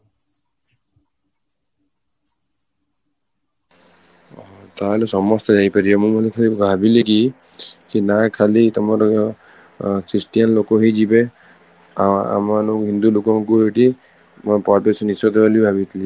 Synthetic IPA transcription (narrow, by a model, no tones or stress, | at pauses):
t̪aɦelesɔmɔst̪ɔd͡ʒajpaɾiɛmũmɔlekʰalibʱabileki | kinakʰalit̪ɔmaɾ | kɾisʈijanlokɔɦid͡ʒibe | a̰maɾɔɦind̪ulukɔŋkuɦeʈi | mɔpɔɾpesɔnisɔt̪ebalibʱabit̪ʰili